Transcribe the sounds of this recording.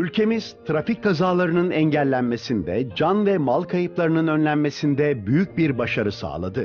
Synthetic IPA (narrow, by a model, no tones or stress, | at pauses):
ylʲcʰe̞miz̥t̪ʰɾafic̚kʰazaːlˠaɾɯnɯnɛɲɟælʲːænme̞sind̪ɛd͡ʒanvɛmalˠkʰajɯplˠaɾɯnɯnø̞nlʲænme̞sind̪ɛbyjyc̚biɾbaʃaɾɯsa̰ːlˠa̰d̪ɯ